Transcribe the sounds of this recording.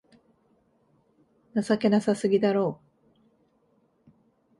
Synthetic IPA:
nasake̞nasasɨɡʲid̪aɾo̞ː

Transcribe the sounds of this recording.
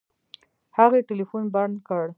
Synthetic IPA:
haɣeʈɪlifunbankəɽ

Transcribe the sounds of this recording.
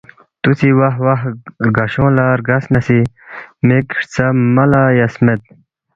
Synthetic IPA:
t̪ut͡siwaɦwaɦɾɡɐɕõːlaːɾɡɐsnɐsi | mekʂt͡sɐmɐlaːjɐsmet̪̚

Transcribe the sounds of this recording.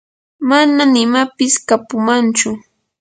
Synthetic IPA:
mananɪmapɪskapʊmant͡ʃʊ

